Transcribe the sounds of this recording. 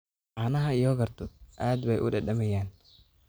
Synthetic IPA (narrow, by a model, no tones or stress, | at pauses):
ʔɑːnɐɦɐijɔɣɐrt̪ʰʊʔaːd̪bɛjʔʊ̰ɖɛɖɐmɛjaːn